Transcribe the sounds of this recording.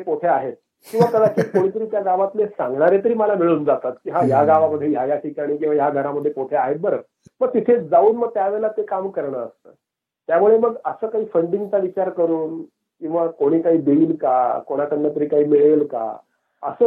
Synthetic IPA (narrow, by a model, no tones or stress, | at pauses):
epot̪ʰeaɦet̪̚ | kĩw̃ʋak̪əd̪akikoɽ̃it̪əɾiːt̪jaɡaʋat̪lesãŋɡɳaɾet̪əɾiːməlamiɭuːnd͡zat̪at̪kiɦãjaɡaʋaməd̪ʱjejajaʈikaɽ̃iːk̬ĩw̃ʋajaɡʱəɾaməd̪ʱːjepot̪ʰeaɦet̪̚bəɾə | məɡ̚t̪it̪ʰed͡zauːnməɡ̚t̪jaʋɛɭlat̪ekamkəɾɳəəst̪əː | t̪jamuɭeməɡəsəːkaɦiːfəɳɖiŋɡt͡saʋit͡ɕaɾkəɾuːn | kĩw̃ʋakoɽ̃iːkaɦiːd̪eiːlkakoɽ̃at̪ənːət̪əɾiːkaɦiːmiɭelka̰ | ə̰səː